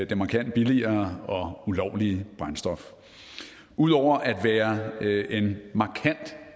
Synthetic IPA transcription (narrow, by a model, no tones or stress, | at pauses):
d̥emɑ̈kʰæn̰d̥̚b̥iliɐːɒ̽ulɒʊ̰liəb̥ʁansd̥ɒ̽f | ʔuð̞̰ˠɒʊ̰ɐʔæd̥ʋæːɐʔe̝nmɑ̈kʰæn̰d̥